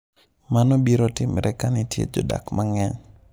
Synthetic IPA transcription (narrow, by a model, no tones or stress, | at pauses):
manɔbiɾotɪmɾʔɛkanitjḛd͡ʒɔda̰kmaŋɛɲ